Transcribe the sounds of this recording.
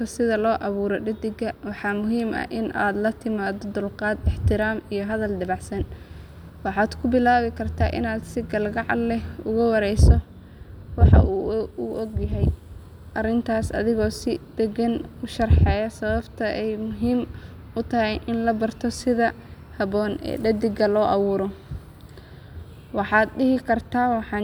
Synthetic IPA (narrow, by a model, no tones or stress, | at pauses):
kʰɐsɪðɐlɔːʔɐβuːɾɔɖɐd̪ɪɡɐwɑħɑmʊɦiːmɐ̰ʔɪna̰ːd̪lɐt̪ʰɪmaːðɔd̪ʊlqɑːd̪ɪħt̪ʰɪɾaːmijɞɦɐðɐlɖɐβɑʕsɐn | wɑħɑːd̪kʰʊbɪlaːβɪkʰɐrt̪ʰaːʔɪ̰naːd̪sɪɡɐlɡɑʕɑ̰lɛʊɣʊwɑɾɛjsɔ | wɑħɑ̰ʔuːuʔɔɡjɐɦɛj | ʔɐrɪnt̪ʰaːsɐ̰ðɪɣɔːsɪd̪̥ɛɡɐnʊʃɐrħɛːjɐsɐβɐbt̪ʰɐʔɛjmʊɦiːm | ʊt̪ʰɐɦɛjʔɪnlɐbɐrt̪ʰɔsɪðɐ | hɐβɔːnɛ̰ːɖɐd̪ɪɡɐlɔːʔɐwuːɾɔ | wɑħɑːd̪ɖɪɦɪkʰɐrt̪ʰaːwɑħɑː